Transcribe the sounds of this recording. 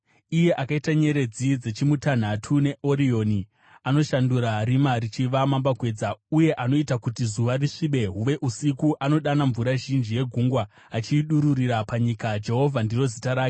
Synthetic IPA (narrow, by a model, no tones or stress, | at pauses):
ije̞ʔakaitaɲe̞ɾe̞d͡zid͡ze̞t͡ʃimutan̤atʰune̞ʔo̞ɾio̞ni | ano̞ʃanduɾaɾimarit͡ʃiʋamambakwe̞ːd͡zauje̞ʔano̞itakutizuʋariʂiɓe̞ɦuʋe̞ʔusikuʔano̞ɗanaɱvuɾaʒind͡ʒije̞ɡʱuŋɡwaː | t͡ʃiːɗuɾuɾiɾapaɲikad͡ʒe̞ɦo̞vʱandiro̞zitaɾaːko